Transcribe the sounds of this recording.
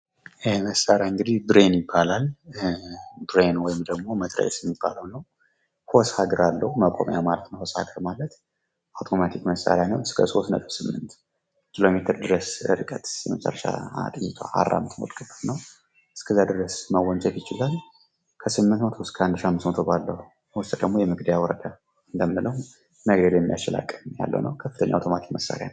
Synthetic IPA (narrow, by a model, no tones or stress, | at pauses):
məsːaɾjaɨŋɡɨd̪id̪ɾe̞njɪbːalal | d̪ɾe̞nwɔjɪmd̪əɡmo̞mət̪ʰʼɾə̰jsjɛmːibːa̰ləwnəw | hoshaɡɨɾalːəhuməkʼo̰mja̰wmalət̪nəwhosha̰ɡəɾmalət̪ | ʔawt̪ʰo̞mat̪ʰikməsʼːa̰ɾjanəwɨskʰəso̞st̪nə̰t̪ʼəβ̥sɨmːɨnt̪ | kʰilo̞me̞t̪ʰəɾd̪ɨɾəsɨ̰ɾɨkʼət̪ɛməsʼə̰rəʃa̰at̪ʼɨjit̪ʰwa̰a̰rːa̰mɨt̪mot̪ɡʼɨbət̪nəw | ʔɨskʰəzːad̪ɨɾəsməwːɔnt͡ʃʼɛt̪jɪt͡ʃɪlal | kʰəsɨmːɨnt̪mət̪ʰoskʰəand̪ʃiamːɨst̪mət̪ʰobalːəhu | ɔst̪ʼd̪əɡmo̞jɛmɨɡd̪ajawɔɾəd̪a | ɨnd̪əmɨnɨləhu | nəɡəɾjɛmːijat͡ʃɪla̰kʼɨja̰lːə̰wnəwkʰəfːɨt̪ʰəɲːawt̪ʰo̞mat̪ʰi̥kməsːa̰ɾjan